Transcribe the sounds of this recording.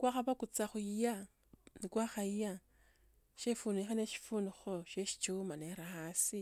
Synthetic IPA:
kwaxaβakut͡saxuija | nikwaxajija | ʃefuːnixaneʃi̥funixoʃeʃi̥t͡ʃumaneɾahasi

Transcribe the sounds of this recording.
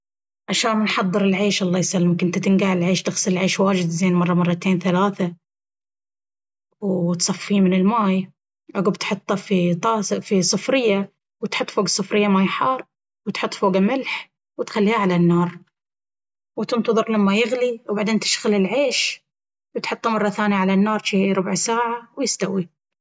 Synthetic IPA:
ʕaʃaːnmɪnħɑðˤːɨɾɪlʕeːʃʔɑlˤːɑːjsalːmkɪnt̪at̪ɪnɡaʕɪlʕeːʃt̪ɪɣsɪlɪlʕeːʃwaːd͡ʒɪd̪zeːnmɑrˤːɑmɑrˤːɑt̪eːnθalaːθa | wt̪sˤɑfiːmɪnɪlmaːj | ʔaɡubt̪ħʊt̪ˤːɑfit̪ˤɑːsfisˤɨfɾɪjːa | wt̪ħʊt̪ːˤfoːɡasˤɨfɾɪjːamajħɑːɾˤ | wɪt̪ħʊt̪ˤːfoːɡamɪlħ | wɪt̪xalːiːhaʕalanːɑːɾˤ | wt̪ʊmt̪ʊðˤʊɾˤlamːajɪɣliwbaʕd̪eːnt̪ɪʃɣalɪlʕeːʃ | wt̪ħʊt̪ˤːɑmɑrˤːɑθaːnjaʕalanːɑːɾˤʃiɾˤʊbʕsaːʕawjɪst̪awi

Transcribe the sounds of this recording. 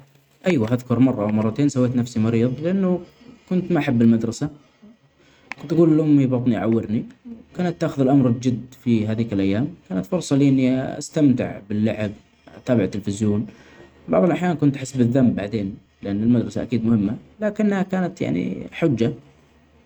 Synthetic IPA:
ʔajwaʔaðkʊɾmɑrˤːɑʔawmɑrˤːɑt̪eːnsawːeːt̪nafsimɑɾiːðˤlɪʔanːʊ | kʊnt̪maʔaħabːɪlmad̪ɾˤɑsa | kʊt̪aɡuːlɪlːʊmːibɑt̪ˤniʔʕawːɪɾniwkaːnat̪ːaːxʊðɪlʔamɾɪld͡ʒɪd̪fiɦaːðiːkɪlʔajːaːmkaːnat̪fʊɾsˤɑliʔɪnːiʔa̰st̪amt̪ɪ̰ʕbɪlːa̰ʕɪb | t̪aːbɪʕt̪ːɪlfɪzjoːn | bɑ̰ʕðˤɑlʔaħjaːnkʊnt̪ʔħɪsːbɪðːambːaʕd̪eːn | lɪʔanːalmad̪ɾˤɑsaʔakiːd̪mʊhɪmːalaːkɪnːhakaːnat̪ja̰ʕnḭħʊd͡ʒːa

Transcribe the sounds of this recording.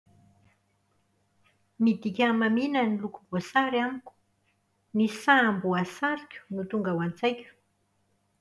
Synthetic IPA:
mid̪ikʲamaminənilukubosaɾamikʲu̥ | nisambuasaɾikʲu̥nut̪uŋɡawant͡sajkʲə̥

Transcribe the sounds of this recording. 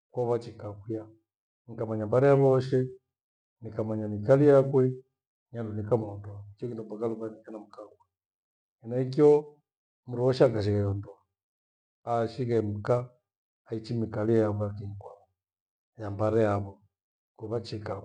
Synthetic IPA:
kwɔβat͡ʃikakuja | ŋikamaɲambaɾɛjaβɔɔʃɛ | nikamaɲamikalijakwɛ | ɲandunikamuɔndɔaikiɔkindɔmbakaluβanikanam̩kakwa | ɛnaik̬iɔ | muɾuɔʃakaʃ̬iɣaɔndɔa | aʃiɣɛm̩kaː | it͡ʃimikalijaβɔjakiŋkwaβɔ | jambaɾɛjaβɔ | kuβat͡ʃika

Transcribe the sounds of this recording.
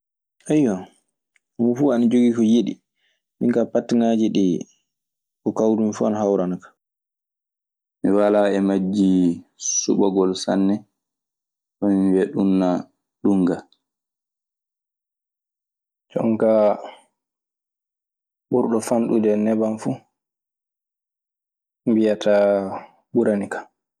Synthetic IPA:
ʔajɔ | mufuːanad͡ʒoɡikɔjiɗḭ | miŋkapatːiŋad͡ʒiɗi | kɔkawdumifuanahawɾanakḁ | miwalaɛmad͡ʒːisṵɓaɡɔlsa̰nːɛ | ɔmiibɛɗunːa | ɗuŋɡa | d͡ʒɔ̰ŋka | ɓuɾɗɔfanɗudɛnɛbanfu | mbijatʰa | ɓuɾanikḁ

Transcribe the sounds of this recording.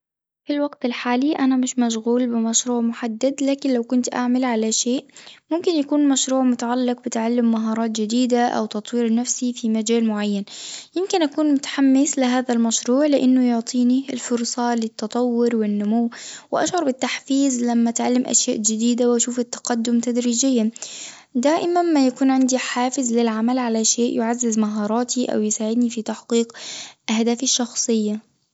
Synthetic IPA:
filwaɡt̪ɪlħaːliʔanamɪʃmaʃ̬ɣuːlbɪmaʃɾuːʕmʊħad̪ːad̪laːkɪnlawkʊnt̪ʔa̰ʕmalʕalaʃeːʔmʊmkɪnjakuːnmaʃɾuːʕmʊt̪aʕalːɪq̚bɪt̪ʕalːɪmːaɦɑːɾˤɑːt̪d͡ʒɪd̪iːd̪aʔa̰wt̪ɑt̪ˤwiːɾnafsifimad͡ʒaːlmʊʕajːanjɪmkɪnʔakuːnmʊt̪ḁħamːɪslɪɦaːðalmaʃɾuːʕlɪʔɪnːʊjʊʕt̪ˤʰiːniɪlfʊɾsˤɑlɪt̪ːɑt̪ˤɑwːʊɾwɪnːʊmʊwːwɪʔaʃʕɑɾˤbɪt̪ːaħfiːzlamːaʔat̪ʕalːɪmʔa̰ʃjaːʔd͡ʒɪd̪iːd̪awʔaʃuːfɪt̪ːḁqad̪ːʊmt̪ad̪ɾiːd͡ʒɪjːa | d̪aːʔɪmanmajakuːnʕɪnd̪iħaːfɪzlɪlʕamalʕalaʃeːʔjʊʕazːɪzmaɦɑːɾˤɑːt̪ʰiʔa̰wjɪsaːʕɪd̪nifit̪aħqiːqʔahd̪aːfɪʃːɑxsˤɨjːa

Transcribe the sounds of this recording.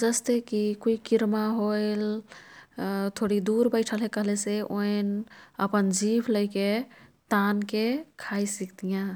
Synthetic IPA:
d͡ʒəst̪ekikoikiɾmaɦojl | t̪ʰoɽid̪uɾbəɪʈʰəlɦekəɦleseʔoenəpənd͡ʒibʰləɪket̪ankekʰajsikd̪ijã

